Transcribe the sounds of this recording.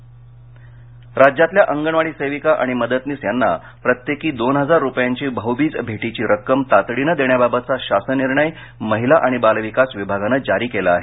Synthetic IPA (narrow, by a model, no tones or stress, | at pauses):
ɾad͡ʑjat̪ljaʔəŋɡəɳʋaɽiːsəjʋikaʔaɽ̃iməd̪ət̪niːsjanːa | pɾət̪jekiːd̪onɦəd͡zaɾːupjaɲt͡ɕiːbʱəɦubiːt͡sbʱeʈit͡ɕiːɾəkːəmt̪at̪ɽinəd̪eɳjababət̪̚t͡saɕasəniɾɳəj | məɦilaʔaɽ̃ibalʋikasʋibʱaɡanəːd͡ʑaɾiːkelaaɦe